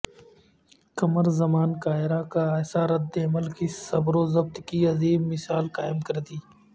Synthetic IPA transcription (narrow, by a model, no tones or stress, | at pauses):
kɐməɾzɐmaːnkaːɪɾakaɛːsaːɾɐd̪ːeɐməlkisɐbɾoːzɐb̚t̪kiɐziːbmɪsaːlkaːɪmkɐɾd̪iː